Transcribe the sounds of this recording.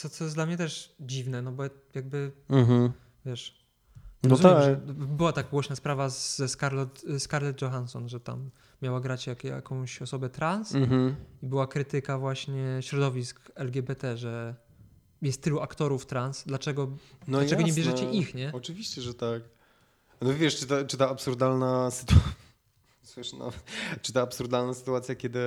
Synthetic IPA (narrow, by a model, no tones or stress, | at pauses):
t̪sɔt̪sɔjɛsd̪lamɲɛt̪ɛʂd͡ʑivnɛnɔbɔ | jaɡ̚bɘɦ̩ | vʲjɛʂ | ɾɔzuamɛʐɛbɘwat̪akɡwɔɕnaspɾavazzɛskaɾlɔt̪skaɾlɛd̪̚d͡ʒɔxansɔnʐɛt̪a̰mː | jawaɡɾat͡ɕjakja̰kɔ̃w̃ɕɔsɔbɛt̪ɾans̩ibɘwakɾɘt̪ɘkavwaɕɲɛɕɾɔd̪ɔvʲiskɛlɡʲɛbɛt̪ɛʐɛ | jɛst̪ːɘluakt̪ɔɾuft̪ɾansd̪lat͡ʂɛɡɔnɔllat͡ʂɛɡɔɲɛbʲjɛʐɛt͡ɕɛʔixɲɛɔt͡ʂɨvʲiɕt͡ɕɛʐɛt̪ak | nɔvʲjɛʂt͡ʂɨt̪ɛt͡ʂɨt̪aːpsuɾd̪alnasɨ̥t̪u | swɘʂna̰t͡ʂɨt̪aːpsuɾd̪alnasɨ̥t̪uat̪sʲjakʲɛd̪ɘ